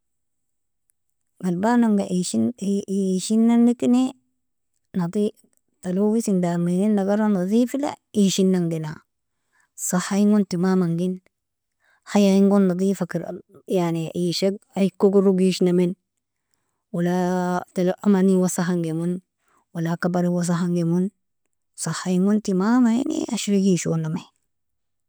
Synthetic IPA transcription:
malbanaŋɡaʔ | ʃinːanːikine | nati | talowisindamininːaɡaɾandadifila̰iʃinːaŋdina | sahaiŋɡontimamaŋɡin | hajaiŋɡonːadifakiɾjaniʔiʃeɡ̚aikːoɡuɾuɡiʃnamen | walatalʔamaniwasaɦaŋɡemun | walakabaɾiwas̬aɦaŋɡemun | sahaiŋɡuntimamaḭnḭaʃiɾiɡiʃoname

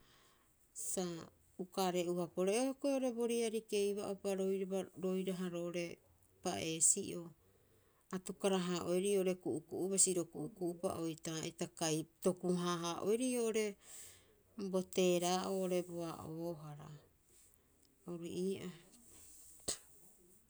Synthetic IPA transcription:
sa | ukaɾe̞uhapoɾeehokoeoɾe̞bo̞ɾiaɾike̞jβaʔopaɾoaɾo̞jɾaɦaɾoʔoɾe̞ | paʔe̞ːsiʔo̞ | atukaɾaɦaːʔo̞jɾioʔoɾe̞kuʔukuʔuβasiɾo̞kuʔukuʔupa̰ʔojtaetakajto̞kuɦaːɦaʔo̰jɾioʔoɾe̞ | bo̞te̞ːɾaːʔoːʔoɾe̞boaʔoɦaɾa | owɾiʔiːʔa

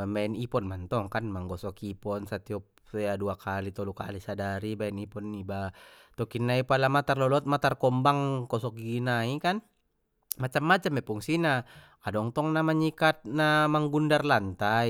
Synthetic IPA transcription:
mbaɛnipɔnmant̪ɔŋkanmaŋɡɔsɔkipɔnsat̪iɔp̚ | sɛjaduakʰalit̪ɔlukalisadaɾibaɛnipɔnːibat̪ɔkinːaipalamat̪arlɔlɔt̪̚mat̪arkɔmbaŋkɔsɔk̚ɡinaikan | mat͡ʃamːat͡ʃamɛpuŋsina | adɔŋt̪ɔŋnamaɲikat̪̚namaŋɡundarlant̪a

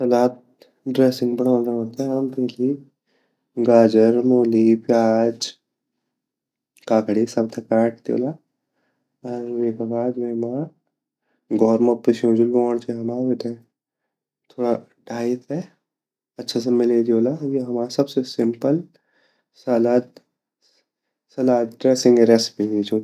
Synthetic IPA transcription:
sɐlaːt̪̚ | ɖɾeːsɪ̃ŋɡbɐɽə̃nd̪aɦot̪aɦɐmt̪eli | ɡaːd͡ʒəɾmoːlipjaːd͡ʒ | kaːkɽisɐb̚t̪ʰɐkaːʈ̚d̪jo̰ːla | aɾʋeːkabaːd̪meːma | ɡɔːɾmɐ̃pɾɪʃõːd͡ʒulɔːɽ̃t͡ʃeɦɐmaːɾet̪ẽ | t̪ʰoːɽa | ɖʱaːit̪ɦɛ | ɐtːʃʰas̬emɪled̪oːlajeɦɐmaːsɐbsesɪ̃mpəl | salaːt̪ | sɐlaːd̪ɖɾeːsɪ̃ŋɡɾeːspĩit͡ʃoː

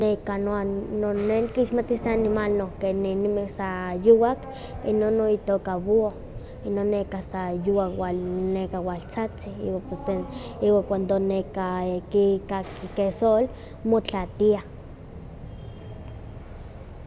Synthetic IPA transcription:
nekanoanoneŋkiʃmat̪iseanimalnokenenimehsajuwak | ḭnonːoit̪okaβoo | inonːekasajuwakwanekawalt͡sat͡siḭwapeseiwakʷand̪onekakikakikesol | mot͡ɬat̪ia

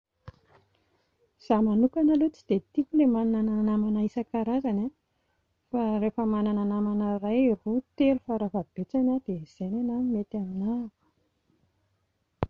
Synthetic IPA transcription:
z̥amanukanalot͡si̥d̪̥et̪ikulemananananamanaisakaɾazana | faɾefəmanananamanarajrut̪eɾufaɾavabet͡sanad̪̥eiz̥ejnanamet̪aminavu̥

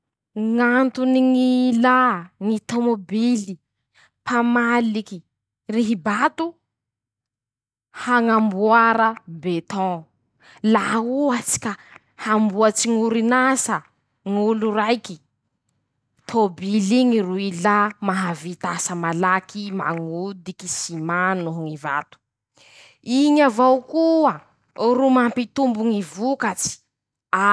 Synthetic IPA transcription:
ŋant̪uniŋilaŋit̪omobili | pʰamaliki | riɦibat̪u | haŋambuaɾəbet̪ɔ̃ | lauat͡si̥kʲa | hambuat͡siŋuɾinasə | ŋulurajki | t̪ʰobiliŋiruilamaɦavit̪asəmalakʰima̰ŋud̪ikisimanuɦŋiva̰t̪u̥ | iɲavawkuə | rumampit̪umbuŋivukat͡si̥ | a

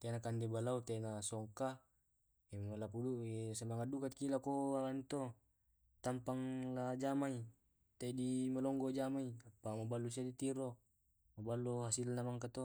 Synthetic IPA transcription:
t̪enakandebalaut̪anasɔŋka | emmalapuduesamaŋadukat̪̚kilakoalanit̪o | t̪ampaŋlad͡ʒamai | t̪aidimalɔŋɡod͡ʒamaiapːamabalːus̬adit̪iɾo | mabalːoɦasilnamaŋkat̪o

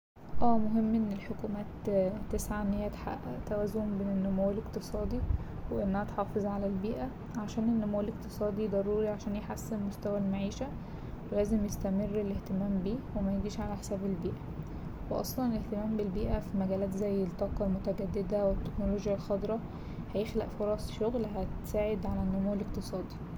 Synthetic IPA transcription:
ʔæːmoɦemːʔenːelħokuːmæːt̪ːesʕaʔenːheːæt̪ħa̰ʔæt̪æwæːzombeːnenːomowelekt̪ɨsˤɑːd̪i | weʔenːæhæt̪ħɑːfezˤʕalælbiːʔæ | ʕaʃæːnenːomowæleqt̪ɨsˤɑːd̪id̪ˤɑɾˤuːɾiʕaʃæːnjeħasːenmost̪æwælmaʕiːʃæ | welæːzemjest̪æmerːeleht̪emæːmbiːwemæjeɡiːʃʕalæħe̥sæːbelbiːʔæ | weʔɑ̰sˤlɑneleht̪emæːmbelbiːʔæfimæɡæːlæːt̪zæjːelt̪ˤːɑːqɑlmot̪æɡæd̪ːed̪æwet̪ːeknoloːɡjælxɑd̪ɾˤɑ | hæjexlæ̰ʔfoɾˤɑsˤʃoɣlɦæt̪saːʕed̪ʕalænːomoweleqt̪ɨsˤɑːd̪i̥

